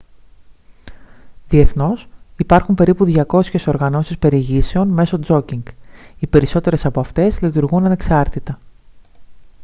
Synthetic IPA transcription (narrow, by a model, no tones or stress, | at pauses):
ðie̞θno̞sipɐɾxumpe̞ɾipuðʝɐko̞sçe̞so̞ɾɣɐno̞sispe̞ɾieʝise̞o̞nme̞so̞d͡zo̞ciŋɡipe̞ɾiso̞t̪e̞ɾe̞sɐpo̞ɐft̪e̞zlit̪uɾɣunɐne̞ksɐɾt̪it̪ɐ